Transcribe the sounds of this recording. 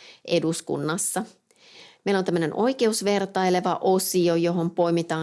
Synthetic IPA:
ʔe̞duskṵnːɑsːɑ | meilont̪æmːøne̞nʔo̞ik̟e̞usʋe̞rt̪ɑjle̞ʋɑʔo̞siojo̞ɦo̞mpo̞imit̪ɑː

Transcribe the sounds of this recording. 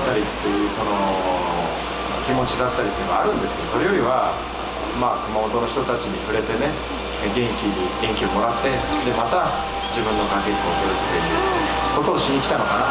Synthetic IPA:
t̪ːaɾʲit̪ːe̞jɯ̟ːso̞no̞ | kʲimo̞t͡ɕid̪at̪ːaɾʲit̪ːeːnoaɾɯ̟̃nd̪e̞sɨ̥ke̞d̪oso̞ɾe̞jo̞ɾʲiβa | makɯ̟mamo̞t̪o̞no̞çi̥t̪o̞t̪at͡ɕiɲ̟iɸɯ̟ɾe̞t̪e̞ne̞ | ɡẽ̞ŋkʲiɲiɡẽ̞ŋkʲio̞mo̞ɾat̪ːe̞d̪e̞mat̪a | d͡ʑibɯ̟̃nːo̞kaŋkekʲiosɨɾɯ̟t̪ʰːe̞jɯ̟ko̞t̪o̞ːɕiɲʲikʲi̥t̪ano̞kana

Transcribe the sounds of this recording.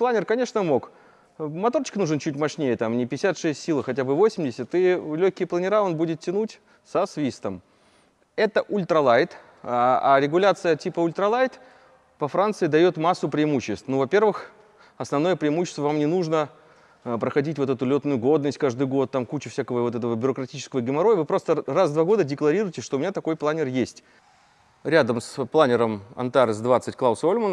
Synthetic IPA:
plˠanʲɪrkɐnʲe̞ʂnəmo̞k | mɐt̪ort͡ɕɪ̥knuʐɨnt͡ɕutʲmɐʂnʲejət̪amnʲɪpʲɪɪsʲat̪ʂɛsʲtʲsʲilˠxɐtʲabɨvo̞sʲɪmʲdʲɪsʲət̪ilʲɵçʲkʲɪjplˠənʲɪɾao̞nbudʲɪt̪tʲɪnutʲ | sɐsvʲist̪əm | ɛt̪əʔʊlʲt̪ɾɐlˠajt̪ | a̰ɾʲɪɡʊlʲat̪sɨjətʲipəʊlʲt̪ɾɐlˠajt̪ | vɐfɾant̪sɨɪd̪ɐjo̞t̪masːʊpɾʲɪːmuɕːɪst̪vnuvɐpʲe̞rvɨx | ɐsnɐvno̞jəpɾʲɪɪmuɕːɪ̥st̪vəvamnʲɪnuʐnə | pɾəxɐdʲitʲvo̞t̪ɛt̪ʊlʲot̪nʊjʊɡo̞d̪nəsʲt̚ʲkaʐd̪ɨjɡo̞t̪̚ːamkut͡ɕɪfsʲakəvəvo̞t̪ɛt̪əvəbʲʊɾəkɾɐtʲit͡ɕɪskəvəɡʲɪmɐɾojəvɨpɾo̞st̪ərazd̪vaɡo̞d̪ədʲɪklˠɐɾʲiɾʊjɪtʲɪʂt̪oʊmʲɪnʲat̪ɐko̞jplˠanʲɪrjesʲtʲ | ɾʲad̪əmsplˠanʲɪɾəmɐ̰nt̪aɾɨzd̪vat̪sɨtʲklˠaʊsolʲmən

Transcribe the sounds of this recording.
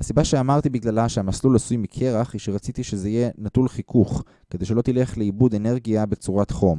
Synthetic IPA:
hasibaʃeamaʁt̪ibiɡlalaʃeamaslulasujmikʰeʁaχiʃeʁat͡sit̪iʃezeijenatulχikʰuχ | ked̪ejʃe̞lo̞t̪ile̞χleibud̪e̞ne̞ʁɡijabet͡suʁat̪χo̞m

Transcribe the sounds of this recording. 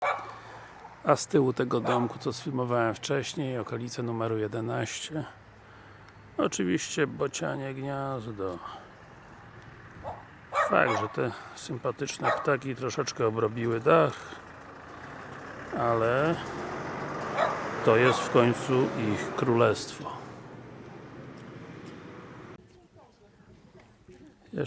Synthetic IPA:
ast̪ɘwut̪ɛɡɔd̪ɔŋkut̪sɔsfʲilmɔvawɛmft͡ʂɛɕɲejɔkɔlʲit̪sɛnumɛɾujɛd̪ɛnaɕt͡ɕɛ | ɔt͡ʂɘvʲiɕt͡ɕɛbɔt͡ɕa̰ɲɛɡɲazd̪ɔ | fa̰ɡ̚d̪ʐɛt̪ɛsɘmpat̪ɘt͡ʂnɛpt̪akʲit̪ɾɔʂɛt͡ʂkɛɔbɾɔbʲiwɘd̪ax | alɛ | t̪ɔjɛst̪fkɔɲt̪suixkɾulɛst̪fɔ | jɛ

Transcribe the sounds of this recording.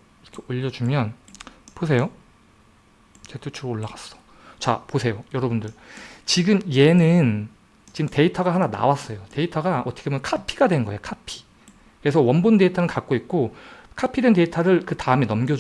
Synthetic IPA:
iɾʌkʰeoʎːʌd͡ʑumjʌnpos̬ʰe̞jo | t͡ɕetʰut͡ɕʰuɾoːɭːaɡas͈ʌ̥ | t͡ɕa̰posʰe̞jojʌɾʌbundɯɭt͡ɕiɡɯmje̞nɯn | t͡ɕimte̞itʰʌɡaɦanana̰was͈ʌjote̞itʰʌɡaʌtʰʌ̥kʰemjʌnkʰapʰiɡadwe̞nnɡʌejokʰapʰi̥ | kɯɾes̬ʰʌwʌnbonde̞itʰanɯkak̚k͈oik̚k͈okʰapʰidwe̞nte̞itʰaɾɯɭkɯtaɯminʌmɡjʌd͡ʑ

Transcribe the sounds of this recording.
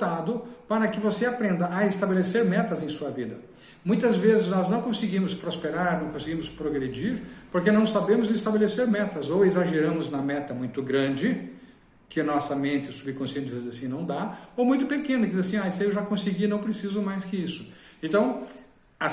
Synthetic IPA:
t̪ad̪ʊpaɾɐkɪvoseapɾẽnd̪ɐʔːɪst̪abeleseɾmɛt̪ɐzẽj̃suɐvid̪ɐ | mũj̃t̪ɐzvezɪznɔznɐ̃w̃kõsɪɡĩmʊspɾospeɾaɾnɐ̃w̃kõsɪɡĩmʊspɾoɡɾed͡ʒiɾpoɾkenɐ̃w̃sabẽmʊzɪst̪abeleseɾmɛt̪ɐzowezaʒeɾɐ̃mʊznɐmɛt̪ɐmũj̃t̪ʊɡɾɐ̃d͡ʒɪ | kɪɐnɔsɐmẽnt̪ɪsubɪkõsiẽtt͡ʃ̪ɪd͡ʒvizizasĩnɐ̃w̃d̪aowmũj̃t̪ʊpekẽnʊkɪdd͡ʒizasĩaɛsɐewʒakõsɪɡinɐ̃w̃pɾesizʊmajskɪisʊ̥ẽnt̪ɐ̃w̃ | a

